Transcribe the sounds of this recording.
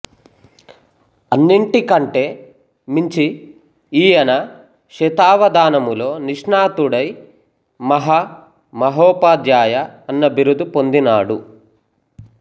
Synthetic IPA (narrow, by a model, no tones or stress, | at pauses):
ɐnːiɳʈikɐɳʈe̞ː | miɲt͡ʃi | iːjɐnɐ | ʃɛt̪aːʋɐd̪aːnɐmulo̞ːniʂɳaːt̪uɽɐj | mɐɦɐ | mɐɦɔːpaːd̪jaːjɐːnːɐbiɾud̪upo̞nd̪inaːɽu